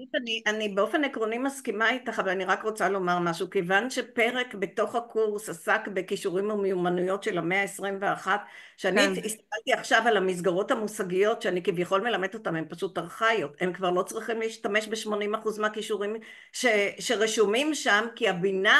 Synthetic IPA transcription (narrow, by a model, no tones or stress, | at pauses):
utaniʔanibeo̞fe̞nekʁo̞nimaskimait̪aχavalaniʁakʁo̞t͡salo̞maʁmaʃukevanʃe̞pe̞ʁe̞kbe̞to̞χakuʁsasakbe̞kiʃuʁimomejumanujo̞tʃe̞lameaesʁimveaχatʃeaniist̪ḁkaltiaχʃavalamis̬ɡaʁo̞thamusaɡijo̞tʃeanikivjaχo̞lme̞lame̞d̪o̞tame̞mpaʃutaʁχajote̞mkvaʁlo̞t͡sʁiχimliːʃt̪ame̞ʃbeʃmo̞nimaχuzmeakiʃuʁim | ʃeʃe̞ʁeʃumimʃamkiabina